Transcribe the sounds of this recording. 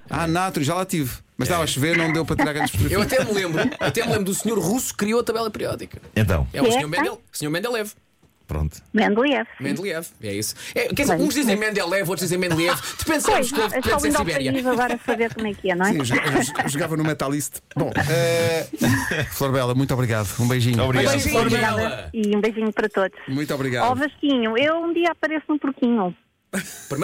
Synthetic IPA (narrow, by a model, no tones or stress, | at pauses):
a̰nat̪uiʒalˠat̪iv | mɐʃt̪avaʃveɾnɐ̃w̃d̪ewpɾɐt̪iɾaɾɣɐ̃d̪ʃpiɾewɐt̪ɛmlˠẽmbɾuɐt̪ɛmlˠẽmbɾuðusɲoɾʁusu̥kɾioɐt̪ɐβɛlˠɐpɨɾiɔðikɐẽnt̪ɐ̰̃w̃ɛusɛɲoɾmɛ̃d̪ɛlˠu̥sɲoɾmɛ̃nd̪ɛlˠɛv | pɾõ̰nt̪u̥mẽnd̪lˠiɛvmẽnd̪lˠiɛvɛ̰isɛkɛɾizeũʒd̪izẽj̃mɛ̃nd̪ɛlˠːɛvot̪ɾʒd̪izẽmẽnd̪lˠjɛvd̪ɨpẽnd̪sojʃkoɛɔĩnd̪awβɛɐjiɐizɐɣɔɾɐsɐβeɾkkomɛkɛnɐ̃w̃ɛ̃ʒvkʒuɣavɐ̃numɛt̪alˠiʃt̪ | bõ̰ɛ | flˠoɾβɛlˠɐmũj̃t̪ɔβɾiɣaðuũbɐjʒiɲβɾiabɐiɔβɾiɣaðɐiũbɐjʒiɲupɐɾɐt̪oðuʃmũj̃t̪ɔβɾiɣaðɔvɐʃkiɲuewũd̪iɐɐpɐɾesnũpuɾkiɲu | pɨɾm